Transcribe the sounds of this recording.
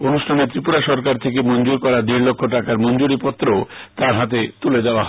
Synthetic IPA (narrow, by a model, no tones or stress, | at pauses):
onuʃʈʰanet̪ɾipuɾaʃɔɾkaɾt̪ʰekemɔnd͡ʑoɾkɔɾaɾd̪iɾlokʰːoʈakaɾmɔnd͡ʑoɾipɔt̪ːɾoot̪aɾɦat̪̬et̪uled̪aoaɦ